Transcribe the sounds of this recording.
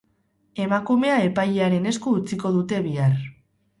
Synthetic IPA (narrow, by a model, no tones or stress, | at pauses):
e̞makume̞ae̞pajʎeaɾe̞ne̞skuːt͡siko̞ðut̪e̞βiar